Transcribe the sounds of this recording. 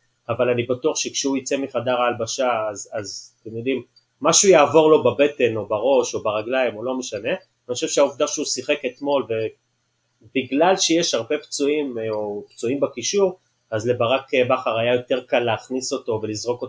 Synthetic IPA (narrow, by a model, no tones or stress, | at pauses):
avalanibatuaχʃekʃeuit͡se̞miχadaʁaːlbaʃaːzazt̪emjo̞dimː | aʃujaːvo̞ʁlo̞babe̞te̞no̞baʁo̞ʃo̞baʁaɡlaimolo̞meʃane̞ | aniχoʃevʃeauvd̪aʃeusiχe̞ke̞t̪mo̞lve̞ | biɡlalʃejeʃhaʁbe̞pt͡suimopt͡suimbakiʃuʁ | azle̞baʁakbaχaʁajajo̞te̞ʁkalːeːχniso̞to̞ve̞lizʁo̞ko